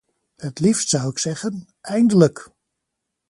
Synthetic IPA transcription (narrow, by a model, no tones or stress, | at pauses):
hətlifstsʌwɪksɛχən | ʔɛjndələk